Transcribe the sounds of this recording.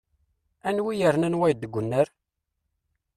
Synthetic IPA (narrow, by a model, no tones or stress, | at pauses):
ænwijəɾnænwæjd̪əɡʷʊnːəɾ